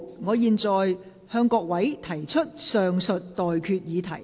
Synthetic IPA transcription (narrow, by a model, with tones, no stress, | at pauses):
ŋɔː˨˧jiː˨nt͡sɔː˨j | hœː˧ŋkɔː˧k̚wɐ˨˥jt̪ʰɐ˨˩jt͡ʃʰɵ˥t̚sœː˨ŋsɵ˨t̚t̪ɔː˨jkʰyː˧t̚jiː˨˧t̪ʰɐ˨˩j